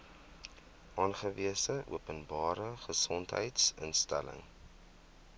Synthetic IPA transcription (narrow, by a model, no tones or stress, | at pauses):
ʔɑːnχəviəsəʔṵəpənbɑːɾəχəsɔntɦə̰jtsə̰nstæ̰lə̰ŋ